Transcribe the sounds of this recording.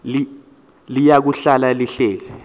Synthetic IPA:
li | lijak̬uɬalaliɬeːvɛ

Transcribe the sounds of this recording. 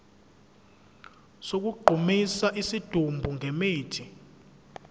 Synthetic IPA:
sok̬uɡ͡ǃʱumisaʔisid̥ʱumbʱuŋʱɛmeːtʰi

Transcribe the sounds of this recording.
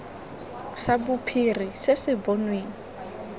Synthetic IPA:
sabʊpʰirisɪsɪbɔnweːŋi

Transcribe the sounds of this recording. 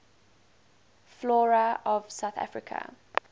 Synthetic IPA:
flɔːɹəɔv̥saʊθa̰fɹɪkʰə̰

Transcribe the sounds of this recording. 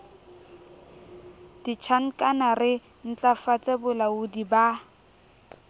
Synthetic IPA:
d̥it͡ʃʰaŋ̩kʼanarɪ | n̩t͡ɬʼafat͡sʼebʊlaʊdiba

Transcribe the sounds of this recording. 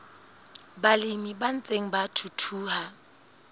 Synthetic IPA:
balimiban̩t͡sʼeŋ̩batʰutʰuːha

